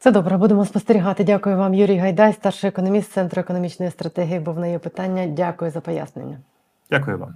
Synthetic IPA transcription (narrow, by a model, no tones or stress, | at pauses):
t̪ɛd̪ɔbɾɐbud̪emɔspɔst̪eɾʲiɦɑt̪ɪdʲakʊjʊʋɑmjuɾʲijɦɐjd̪ɑjst̪ɑrʃɪɛkɔnɔmʲist̪sɛnt̪ɾʊekɔnɔmʲit͡ʃnɔjist̪ɾɐt̪ɛɦʲijibuwnɐjɛpɪt̪ɑnʲːɐdʲakʊjʊzɐpɔja̰snenʲːɐ | dʲakʊjʊ̰ʋa̰m